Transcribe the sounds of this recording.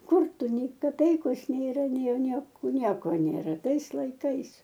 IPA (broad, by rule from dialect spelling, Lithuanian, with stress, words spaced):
ˈkʊr ˈtʊ ˈnʲɛɪ kɐˈpʲɛɪkoːs nʲeːˈrɐ nʲɛɪ ˈnʲiɛkoː ˈnʲiɛkoː nʲeːˈrɐ ˈtɐɪs lˠɐɪˈkɐɪs